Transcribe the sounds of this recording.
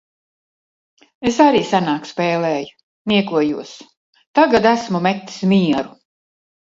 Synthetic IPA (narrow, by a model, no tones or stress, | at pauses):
esaɾiːsanaːkspɛːlɛːju̥ | nʲiɛkuɔjuɔs | t̪aɡad̪æsmumet̪ːi̥smiɛɾu